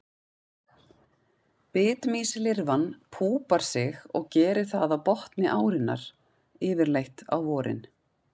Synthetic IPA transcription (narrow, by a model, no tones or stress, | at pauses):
pɪːt̪miːslɪɾvanpʰuːpaɾ̥sɪɣɔ̰ɣcɛːɾɪ̥θaðawpɔht̪nɪʔaːwɾɪnːa̰ɾ̥ | ɪːvɪɾlejht̪a̰wvɔːɾɪ̰n